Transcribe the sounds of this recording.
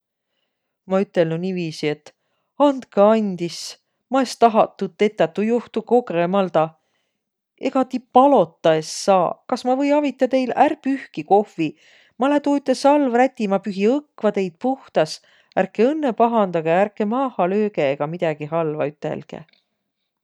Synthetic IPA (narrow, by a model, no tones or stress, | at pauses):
mɑyt̪ːˑe̞lnuniːviːsie̞t̪ː | ɑnd̪kɑɑnʲd̪is | mɑest̪ɑɦɑt̪ːut̪ːe̞t̪ːˑɑt̪ːujoht̪uko̞ɡemɑld̪ɑ | e̞̰ɡ̥ɑt̪ipɑlo̞t̪ːˑɑesːɑːkɑsmɑvɤ̞jɑvit̪ːˑɑt̪e̞jlæɾpyhkiko̞fi | mɑlet̪uyt̪ːˑe̞sɑlvræt̪ʲːimɑpyɦiɤkːvɑt̪e̞jd̪̥̚puht̪ɑs | æɾkeɤnːe̞pɑɦɑnd̪ɑɡ̥eæɾkːˑe̞mɑːhɑløːɡe̞eɡ̥ɑmid̪̥ɑɡ̥iɦɑlvɑ̰yt̪ːˑḛlɡ̥ḛ